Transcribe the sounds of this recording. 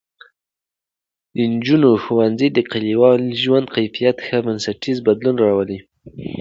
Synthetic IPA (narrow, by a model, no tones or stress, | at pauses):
d̪ənd͡ʒunoxuwanzid̪əqaliwɑlʒwand̪qajfijat̪xəbənsaʈizbad̪lunɾɑwəli